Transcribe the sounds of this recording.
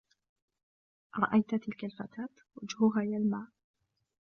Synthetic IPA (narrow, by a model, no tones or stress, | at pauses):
ɾˤɑ̰ʔajt̪t̪ɪlkalfat̪aːt̪ | wad͡ʒhʊɦaːjaːlmaːʔ